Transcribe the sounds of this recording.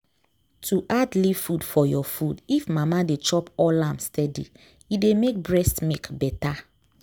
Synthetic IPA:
tʰuʔadlivfudfɔjɔfudifmamadet͡ʃɔpɔlãmstɛdḭ | idemek̚bɹɛstmikbɛta

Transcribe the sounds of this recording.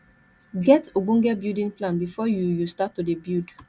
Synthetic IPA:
ɡɛtoɡ͡bũŋɡɛbjudĩnplãnbifɔjujustatːudebjud

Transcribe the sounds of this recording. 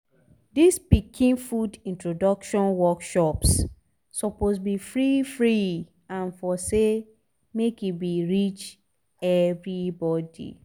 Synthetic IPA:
dispikʰĩnfudĩntɹodɔkʃɔ̃nwɔkʃɔps | sɔposbifɹifɹi | ãnfɔse | mekitbiɹit͡ʃ | ɛvɹibɔdḭ

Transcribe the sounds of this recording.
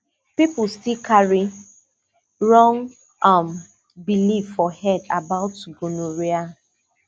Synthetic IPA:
pipʊstikʰaɹi | ɹɔ̃ŋ | am | bilivfɔhɛda̰baʊtːuɡonoɹia

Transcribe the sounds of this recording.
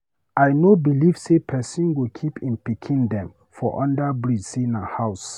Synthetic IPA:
ajnobiliv̥sepʰɛsĩnɡokʰipʰĩnpikʰĩndɛ̃m | fɔʔɔ̃ndabɹisinahaʊs

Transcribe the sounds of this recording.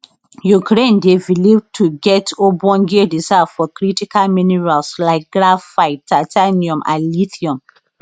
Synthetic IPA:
jukɾẽndevilivtʰuɡɛtobɔ̃nɡedizaffɔkɾitikalminiɹalslaɪk̚ɡɾaffaɪtːataniɔ̃mʔa̰liθiɔ̃m

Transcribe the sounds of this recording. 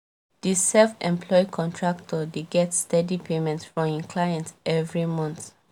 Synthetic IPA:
d̥isɛlfɛ̰̃mpʰlɔɪjkʰɔ̃ntʰɹak̚tʰɔdeɡɛtstɛdipʰemɛ̃ntsfɹɔ̃mĩnkʰlajɛ̃ntɛvɹimɔ̃nθ

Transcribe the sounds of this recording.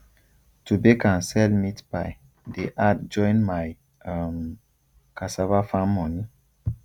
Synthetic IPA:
tubekãnsɛlmitbaj | deʔat̚d͡ʒɔ̃jnmaj | am | kasavafamːɔni

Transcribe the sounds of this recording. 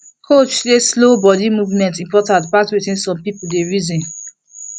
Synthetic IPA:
kʰot͡ʃleslobɔdimuvmɛ̃ntĩmpɔtãntpatwitĩnsɔ̃mpipuldeɹizĩn

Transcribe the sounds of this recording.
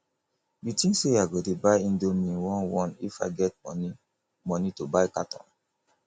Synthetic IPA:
bitĩŋseaɡodebaɪĩndomĩwɔ̃nwɔ̃nifa̰ɪɡɛt̚ɔni | mɔnitobaɪkatɔ̰̃n

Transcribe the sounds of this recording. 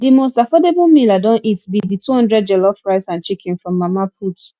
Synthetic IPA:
dimos̬tafɔdeblmiladɔ̃nʔitbiditʰuhɔ̃ndɹɛd̚d͡ʒɛlɔfɹaɪsãnt͡ʃikʰĩnfɹɔ̃mːamapʰut

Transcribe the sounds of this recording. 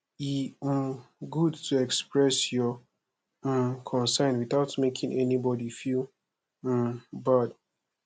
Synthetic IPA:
i | ɡudtʰuɛkspɹɛsjɔ | kʰɔ̃nsɛ̃ntwiθaʊtmekʰĩŋɛnibɔdifil̩ | bʌt

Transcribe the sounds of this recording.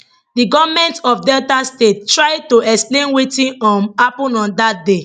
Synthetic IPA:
diɡɔvmɛ̃ntɔfdɛltastettɹaɪtoɛksplẽnwetĩnɔ̃mapɔ̃nɔ̃ndat̚de

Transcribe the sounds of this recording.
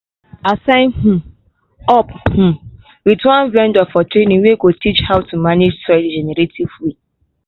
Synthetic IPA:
asãɪ̃nhũ | ɔphũ | witwãnvɛ̃ndɔfɔtɾenĩweɡotit͡ʃhawtumaned͡ʒtɹɛdd͡ʒɛnɛɾetʰivwi

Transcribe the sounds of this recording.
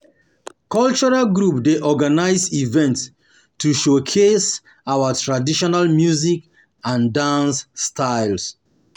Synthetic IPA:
kɔlt͡ʃɔɹalɡɹupdeʔɔɡanaɪzivɛ̃nt | tʰːuʃokʰes | awatʰɹadiʃɔnalmjuzik | ãndãnsːtʰaɪls

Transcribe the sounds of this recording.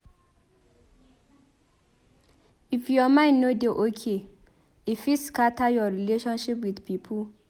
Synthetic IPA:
ifjɔmãɪ̃nnodeʔokʰe | ifiskatajɔɹileʃɔ̃nʃipwidpʰipʰu

